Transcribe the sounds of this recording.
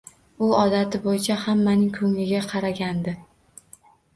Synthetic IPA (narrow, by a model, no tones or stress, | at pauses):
ʊɒd̪at̪ʰɪbojɪt͡ʃʰahamːanɪŋkʰɵŋlɪɡʲaqʰɑɾaɡʲand̪ɪ